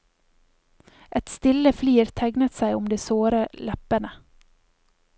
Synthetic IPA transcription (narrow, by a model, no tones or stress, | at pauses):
ʔɛt̪st̪ɪləfliːɾt̪ʰæɡnət̪sæɪʊmd̪eːsoːɾəlʔɛpənə